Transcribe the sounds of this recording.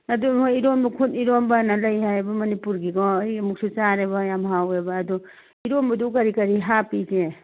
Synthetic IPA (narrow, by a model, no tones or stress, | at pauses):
ɐduoiɾombɐkʰutiɾombanalɐjɦajbɐmɐnipuɾɡiɡɔjmuk̚sut͡ʃaɾeβajamɦawebɐːdɔ | iɾombɐdukɐɾikɐɾiɦapid͡ʒe